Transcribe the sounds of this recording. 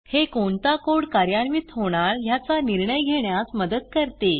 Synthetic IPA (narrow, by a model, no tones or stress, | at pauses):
hekoɳt̪akoɽkaɾjanʋit̪ɦoɽ̃aɭjat͡saniɾɳəjɡʱeɳjasməd̪əd̪̚kəɾt̪e